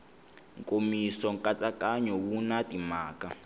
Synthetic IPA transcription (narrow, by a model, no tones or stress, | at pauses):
ŋ̩kʼomisɔŋkʼat͡sʼakʼaɲɔβunatʼimaːkʼa